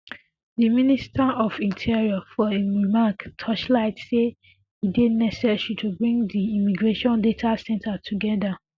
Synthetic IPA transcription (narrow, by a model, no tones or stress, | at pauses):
diministʰaɔfĩntʰiɹiɔfɔeɹimaktʰɔt͡ʃlaɪtse | idinɛsɛsitʰubɹĩŋdiimiɡɹeʃɔ̃ndetʰasɛ̃ntʰatʰuɡɛda